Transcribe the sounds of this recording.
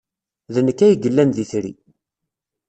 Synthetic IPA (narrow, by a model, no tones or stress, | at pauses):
ðənəkːæjəɡəlːænðiθɾḭ